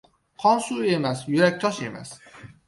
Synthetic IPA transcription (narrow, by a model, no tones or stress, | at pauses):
qʰɒnsuːemæsjyɾæk̚ʲt̪ʰɒʃemæ̰s